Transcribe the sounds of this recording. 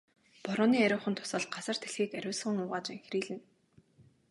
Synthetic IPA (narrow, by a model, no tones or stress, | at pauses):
pɔɾʊːniːæɾʲʊːχə̆nt̪ʰʊ̥sə̆ɮɢasə̆r̥t̪ʰeɮxiːkæɾʲʊːsə̆ŋʊːʁaːt͡ɕaŋxriːɮɘ̆n